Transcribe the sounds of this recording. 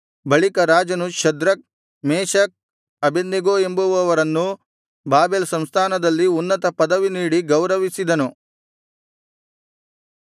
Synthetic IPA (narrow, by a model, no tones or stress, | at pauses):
bɐɭikɐɾaːd͡ʒɐnuʃɐd̪ɾɐk̚ | mɛːʃɐk̚ | ɐbenːeɡoːe̞mbuʋɐʋɐɾɐnːu | baːbeːlsɐmst̪ʰaːnɐd̪ɐlːiunːɐt̪ɐpɐd̪ɐʋiniːɽiɡɐwɾɐʋisid̪ɐnu